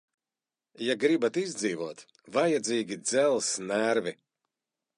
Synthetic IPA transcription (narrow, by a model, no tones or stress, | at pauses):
jaɡɾibat̪izd̪ziːvuɔt̪ | vajad̪ziːɡʲid̪zɛlˠsnæɾvi